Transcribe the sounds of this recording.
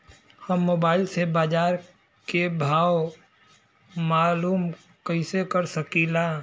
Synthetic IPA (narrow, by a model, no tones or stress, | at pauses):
hɐmːoːbaːɪlsebaːd͡ʒaːɾ | kebʱaːw | maːluːm | kəɪsekəɾsəkilaː